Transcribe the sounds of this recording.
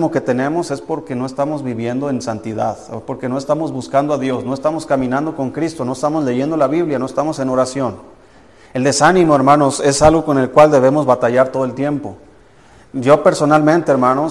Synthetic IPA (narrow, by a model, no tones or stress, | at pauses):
moke̞t̪e̞nẽ̞mo̞se̞spo̞ɾke̞no̞e̞st̪amo̞zβiβje̞nd̪o̞e̞nsant̪iða̰ðpo̞ɾke̞noe̞st̪amo̞zβuskand̪oaðjo̞sno̞est̪amo̞skamĩnãnd̪o̞ko̞ŋkɾist̪o̞no̞est̪amo̞zle̞ʝe̞nd̪olaβiβljano̞est̪amo̞se̞no̞ɾasjo̞n | e̞ld̪e̞sanĩmo̞e̞ɾmãno̞se̞salɣoko̞ne̞lkwald̪e̞β̞e̞mo̞zβat̪aʝaɾt̪o̞ðoelt̪je̞mpo̞ | ɟ͡ʝo̞pe̞ɾso̞nalmẽnt̪eːɾmãno